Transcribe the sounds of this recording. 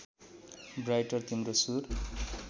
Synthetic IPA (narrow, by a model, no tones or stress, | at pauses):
brajʈʌrt̪imɾosur